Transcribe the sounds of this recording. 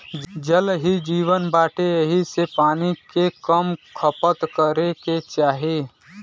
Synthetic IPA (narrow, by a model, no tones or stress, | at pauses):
d͡ʒəlɦid͡ʒiːʋənbaːʈeɦisepaːnikekəmkʰəpət̪kəɾeket͡ʃaːɦieː